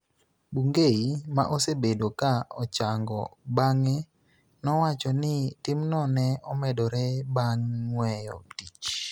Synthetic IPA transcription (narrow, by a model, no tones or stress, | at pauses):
buŋɡeima̰ʔosebedokaɔt͡ʃaŋɡɔ̰baŋɛ | nɔwat͡ʃɔnɪtɪmnɔnɛɔmɛdɔɾɛbaŋːwɛjɔ̰tit͡ʃ